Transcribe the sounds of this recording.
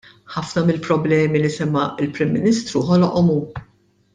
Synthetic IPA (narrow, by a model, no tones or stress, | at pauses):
ħɐfnɐmɪlpɾɔblɛːmilisɛmːɐɪlpɾɪmːɪniːst̪ɾuħɔlɔʔɔmuː